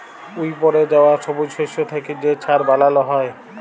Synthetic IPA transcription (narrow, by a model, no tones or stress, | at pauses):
ujpɔɾed͡ʑaoaʃɔbod͡ʑʃeʃot̪ʰeked͡ʑet͡ɕʰaɾbalaloɦɔe